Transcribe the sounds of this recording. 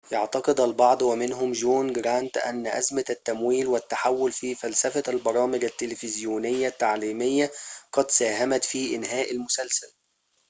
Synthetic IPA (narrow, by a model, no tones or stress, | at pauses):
jɑʕt̪ɑqɨd̪ælbɑʕd̪ˤwɪmɪnɦʊmd͡ʒuːnɡɾant̪ʔæ̰nːʔæ̰zmæt̪ːæmwiːlwɪt̪ːaħawːʊlfiːfælsæfælbɑɾˤɑːmɪɡæt̪ːelɪfɪzjuːnɪjːat̪ːaʕliːmɪjːaqɑd̪sæːɦæmæt̪fiːʔɪnɦæːʔalmʊsælsæl